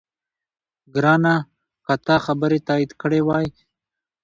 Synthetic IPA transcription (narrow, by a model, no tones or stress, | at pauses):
ɡɾɑna | kat̪ɑxabəɾet̪ɑid̪kəɽewɑj